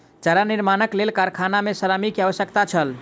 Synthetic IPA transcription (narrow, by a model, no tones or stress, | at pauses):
t͡ʃəɾaniɾmanəklelkaɾkʰanamesəɾamikeaʋəsjəkt̪at͡ʃʰəl